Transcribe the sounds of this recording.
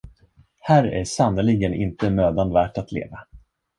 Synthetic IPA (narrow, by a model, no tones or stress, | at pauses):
hæːɾæ̰ʂanːəlɪɡənʔɪ̰nt̪əmøːd̪and̪væːʈat̪ʰlḛːva